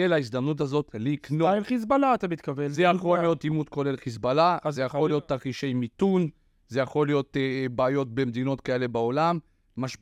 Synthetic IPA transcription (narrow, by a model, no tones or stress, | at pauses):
elaisd̪amnut̬azo̞tliknoelχis̬balaːt̪amit̪kavezejaχoijo̞timut̪ko̞lelχis̬balazejaχolijo̞t̪ːaχiʃejmit̪un | ze̞jaχo̞lijo̞tbaːjo̞t̚be̞md̪ino̞tkae̞le̞bao̞lamː | aʃ